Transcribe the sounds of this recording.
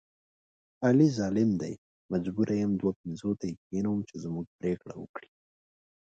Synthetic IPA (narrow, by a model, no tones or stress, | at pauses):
alizɑlɪmd̪aj | mad͡ʒbuɾʔajamd̪wap̚ɪnzot̪ajikinawumt͡ʃezmuɡ̚pɾekɽawə̰kɽi